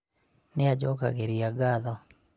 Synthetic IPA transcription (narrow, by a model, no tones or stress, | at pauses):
nead͡ʒɔka̰ɣeɾiaɡaðɔ